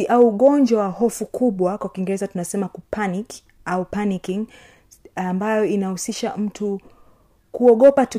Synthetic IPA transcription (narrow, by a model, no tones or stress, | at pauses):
iʔauːɠɔnd͡ʒwawahɔfukʰuɓwakwakiŋɡɛɾɛzatunasɛmakupanik | aupanikiŋ | ambajɔinahusiʃam̩tʰu | kuɔɠɔpatu